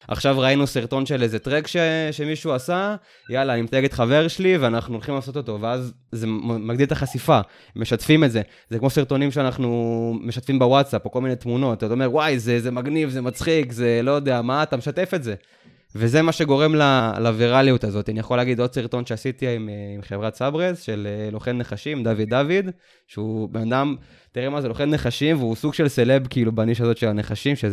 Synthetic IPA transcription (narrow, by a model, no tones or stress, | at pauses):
ʔa̰χʃavʁainusiʁt̪o̞nʃelezet̪ʁekʃeʃe̞miʃuasa | jalaːnimet̪aeɡet̪χave̞ʁʃeliveanaχnuolχimlaːso̞t̪o̞t̪o̞veazː | emaɡd̪ilt̪aχasifa | mːe̞ʃatfimetze̞ | zekmo̞siʁt̪o̞nimʃeanaχnume̞ʃat̪fimbewatsapokolminetmuno̞tattome̞ʁwajzezemaɡnivzemat͡sχikze̞lo̞jod̪e̞amaːt̪ameʃat̪e̞fe̞tze | veze̞maʃe̞ɡo̞ʁe̞mlalaviʁalijut̪azo̞t̪ianijaχoleaɡid̪o̞d̪siʁt̪o̞nʃeasit̪iimimχevʁasabʁezʃelelo̞χenːeχaʃimd̪avid̪avid̪ | ʃeubenad̪am | t̪iʁemazelo̞χe̞nːeχaʃimveusuɡʃe̞lselebkiːlubaniʃazo̞t̪ʃe̞lane̞χaʃimʃe